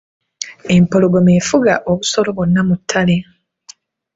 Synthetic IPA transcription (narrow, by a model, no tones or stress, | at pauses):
e̞mpo̞lo̞ɡo̞me̞ːfuɡaʔoβuso̞lo̞βonːamutʰːale̞